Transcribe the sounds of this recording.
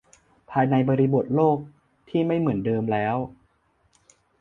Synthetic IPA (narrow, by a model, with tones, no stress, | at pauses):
pʰaː˧jna˧jbɔː˧ɾi˦˥bo˨˩t̪̚loː˥˩k̚ | t̪ʰiː˥˩ma˥˩jmɯ˩˦əndɤː˧mlɛː˦˥w